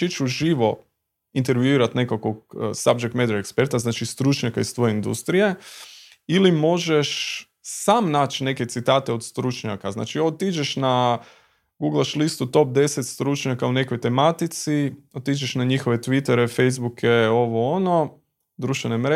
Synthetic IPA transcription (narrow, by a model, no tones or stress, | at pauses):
it͡ʃuʒiʋo̞ | int̪e̞ɾʋjuiːɾat̪ne̞kakoɡ̚sab̚d͡ʒek̚t̪med̪oekspe̞ɾt̪aznaːt͡ʃist̪ɾut͡ʃɲakaist̪ʋo̞jeind̪ṵst̪ɾije̞ | ilimo̞ʒeʃ | saːmnaːt͡ʃne̞ket̪sit̪aːt̪e̞o̞d̪st̪ɾut͡ʃɲakazna̰ːt͡ʃiot̪id͡ʒeʃna | ɡuɡlˠaʃlist̪ut̪o̞p̚d̪e̞set̪st̪ɾut͡ʃɲakaune̞kojt̪e̞mat̪it̪siot̪id͡ʒeʃnaɲixoʋe̞t̪ʋit̪eɾefe̞jzbukjeo̞ʋo̞ono̞ | d̪ɾuʃt̪ʋe̞nemɾe